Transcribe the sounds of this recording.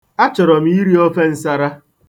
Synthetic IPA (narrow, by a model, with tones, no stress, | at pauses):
a˦t͡ʃɔ˨ɾɔ˨m̩˨˦i˦ɾi˦ɔ˦fe˦n̩˦sa˦ɾa˦